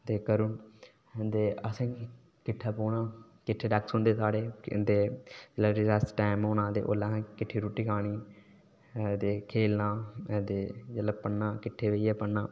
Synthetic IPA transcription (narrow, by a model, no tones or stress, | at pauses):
t̪eːkəɾʊn | d̪eːəsãː | kɪʈʰːaːpoːnaː | kɪʈʰːeːɖɛːksɦʊ̃nd̪eːsaːɽeːd̪eːd͡ʒəlaːɾɪzɛːsʈaːɪmoːnaːt̪ḛːʔo̰ːlãːkɪʈʰːiːɾuːʈiːkʰaːɽiː | t̪eːkʰeːlnãːt̪eːd͡ʒəlapəɳnãːkɪʈʰːeːʋeiɛːpəɳnãː